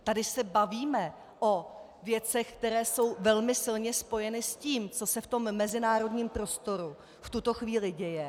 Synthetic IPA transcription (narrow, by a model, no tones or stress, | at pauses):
t̪adɪsɛbaviːmɛ | ʔo̞ | vjɛt͡sɛxkt̪ɛɾɛːso̞wvɛlmɪsɪlɲɛspo̞jɛnɪsciːmt͡so̞sɛft̪o̞mːɛzɪnaːɾo̞dɲiːmpɾo̞st̪o̞ɾu | ft̪ut̪o̞xviːlɪɟɛjɛ